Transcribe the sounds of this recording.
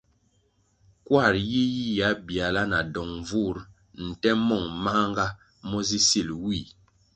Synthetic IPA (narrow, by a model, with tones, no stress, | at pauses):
kwa˦˨ɾji˦ji˦ja˨˦bi˨a˨la˦na˨dɔ˨ŋ˨vu˦˨ɾ | n̩˨tɛ˦mɔ˦˨ŋma˦ŋɡa˦ | mɔ˦zi˦si˨lwi˦˨